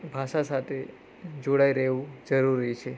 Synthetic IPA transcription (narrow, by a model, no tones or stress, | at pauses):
bʱaʃasat̪ʰe | d͡ʒoɽaiɾəɦʋũd͡ʒəɾuɾit͡ʃʰe